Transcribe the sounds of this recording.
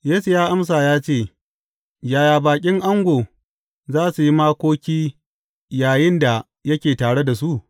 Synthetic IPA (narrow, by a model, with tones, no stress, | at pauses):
jeː˦su˨jaː˦ʔa˦ms̬aː˨jaː˦t͡ʃeː˦˨ | jaː˨jaː˨baː˨kʲʼɪ˦ŋʔa˦ŋɡʷoː˨ | zaː˦su˨ji˦maː˦kʷoː˦kʲiː˦ | jaː˨jɪ˦nda˨ | jɐ˦kʲeː˨taː˨ɽe˦da˨su˦ʔ